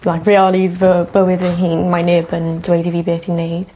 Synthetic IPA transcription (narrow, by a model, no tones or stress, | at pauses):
lakvɛɔlivəb̥əwɪðənɦiːnmajnɪbəndwɛjdiviːbeːθhinːejd̥